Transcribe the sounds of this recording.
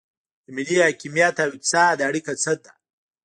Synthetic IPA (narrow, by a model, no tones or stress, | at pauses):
d̪əmɪlihakimijat̪awit͡sad̪aɽikat͡səd̪a